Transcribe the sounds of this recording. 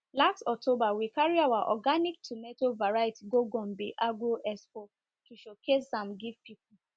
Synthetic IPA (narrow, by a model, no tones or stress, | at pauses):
lakstɔk̚tʰobawikaɹiawaʔɔ̰ɡanik̚tʰumetovaɹaetiɡoɡɔ̃mbḛʔaɡoʔɛspo | kiʃokʰessãmɡiv̥pip̚u